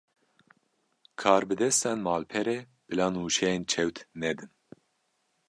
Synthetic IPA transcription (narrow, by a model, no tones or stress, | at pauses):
kʰɑːɾbɨd̪ɛst̪ɛnmɑːlpʰɛɾe | b̥ɨlɑːnuːʃɛjeːnt͡ʃʰɛwt̪ʰnɛd̪ɨn